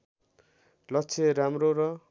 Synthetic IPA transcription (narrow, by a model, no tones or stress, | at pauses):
lʌt͡sʰeɾamɾoɾʌ